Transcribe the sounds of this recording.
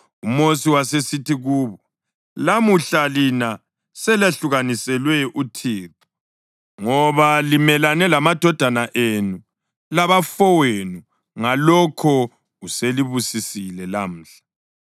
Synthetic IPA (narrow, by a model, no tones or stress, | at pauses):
umosiwasesitiɣuːβɔ | lamuɬalina | sɛlaɬuɣanisɛlwɛʔutʰiːtu̥ | ŋɔβalimɛlanɛlamad̥ʱɔd̥ʱanaʔenu | laβafɔwenu | ŋalɔkʰɔ | useliβusisilɛlam̩ːɬḁ